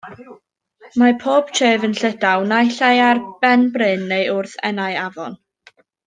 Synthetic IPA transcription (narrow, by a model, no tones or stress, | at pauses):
mapʰoːb̥t͡ʃʰeːvənɬədawnajɬajarb̥ɛnbrɨnːejʔʊrθɛ̰naɨavɔn